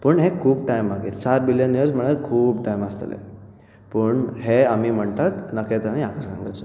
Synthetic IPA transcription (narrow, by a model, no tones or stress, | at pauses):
pəːɳɦekʰuːp̚ʈajmːaɡiːɾt͡ɕaɾbiljənjəɾsm̤əɽ̃əɾkʰuːpʈajməst̪əlḛ | pəːɳɦeamiːm̤əɳt̪at̪nəket̪əɾaniakəɾkã̰ŋɡə̰ɾt͡sə